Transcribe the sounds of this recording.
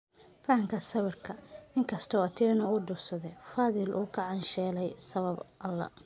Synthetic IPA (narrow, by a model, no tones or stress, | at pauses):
fɐɐŋkʰɐsɐβɐrkʰɐɪŋkʰɐst̪ʰɔːɐt̪ʰɛːnɐʊɖʊsɐðɛfaːðɪlʔṵːkʰɐʕɑnʃɛːlɛjsɐβɐbʔɐlːɐ̰